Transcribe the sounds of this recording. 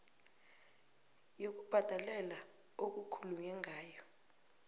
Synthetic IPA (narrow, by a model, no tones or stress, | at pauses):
jok̬ub̥ʱad̥ʱalɛla | ok̬ukʰuluɲɛŋʱaːjɔ